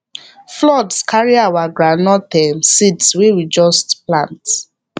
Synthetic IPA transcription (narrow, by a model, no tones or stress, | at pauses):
flɔdskaɹiawaɡɹanɔtɛmsidswewid͡ʒɔstplãnt